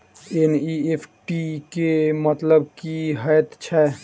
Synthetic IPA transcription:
eniepʰʈikemət̪ləbkiɦɛjt̪t͡ʃʰɛː

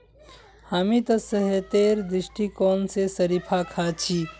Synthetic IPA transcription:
hamit̪ɐsɐɦet̪eːɾd̪ɾɪʃʈikɔːnsesɐɾipʰakʰat͡ʃʰiː

